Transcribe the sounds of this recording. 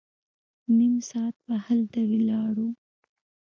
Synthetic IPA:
nimsɑt̪̚bahəld̪awilɑɽu

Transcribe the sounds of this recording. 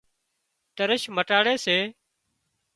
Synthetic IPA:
t̪əɾəʃməʈaːɽeːseː

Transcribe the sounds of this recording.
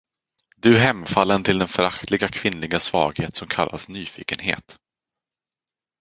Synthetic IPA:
d̪ɵɦɛmːfalːənt̪ʰɪld̪ɛnfœɾakt̪ʰlɪɡakʰvɪnlɪɡasvɑ̰ːɡheːt̪sɔmkʰa̰lːa̰snyːfḭːkənhḛːt̪

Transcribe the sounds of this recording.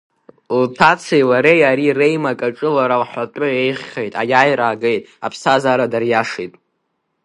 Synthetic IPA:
utʰat͡sʰejlaɾejaɾire̞jmakʼaʈ͡ʂʼɨlaɾalħʷatʷʼʊe̞jχʲːejtʼajajɾaːɡejtʼa̰pʰsazaːɾadarjaʂetʼ

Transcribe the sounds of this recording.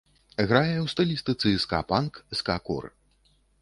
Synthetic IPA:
ɣɾajɛwst̪ɐlʲist̪ɨt̪sɨska̰pankskakɔ̰r

